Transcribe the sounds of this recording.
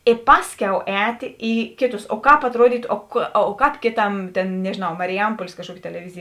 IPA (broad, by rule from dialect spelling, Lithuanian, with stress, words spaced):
ɪ ˈpɑːsʲˌkʲɛʊ ˈɛːtʲeː ˈiː ˈkʲeːˌtʊs oː ˈkɑːp ɐtˈruɔdʲiːtʊ oː kɐ ˈkɑːp ˈkʲeːˌtɐm ˈtʲeːn nʲɛʒʲeːˈnɐʊ mɐrʲɪˈjɛmpuɔlʲeːs kɐʃˈkuɔkʲɪ tʲɛlʲɛˈʋʲɪzʲeːj